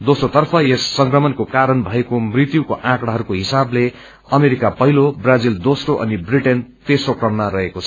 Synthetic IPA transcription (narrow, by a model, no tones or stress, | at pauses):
d̪osrot̪ʌrpʰʌjesːʌŋkrʌmʌnkokaɾʌnbʱʌekomrit̪jukoʔãkɽ̃aɦʌɾukoɦisable | ʌmeɾikapʌɦilobrad͡zild̪osroʔʌ̰nibriʈent̪esrokrʌmnaɾʌɦekot͡sʰʌ